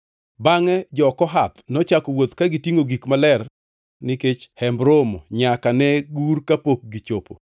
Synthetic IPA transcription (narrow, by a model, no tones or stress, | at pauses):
baŋɛd͡ʒɔkɔɦat̪nɔt͡ʃakɔwot̪kaɡitiŋoɡikmalɛr | nɪket͡ʃhɛmbɾomoɲakanɛɡurkapok̚ɡit͡ʃopo̰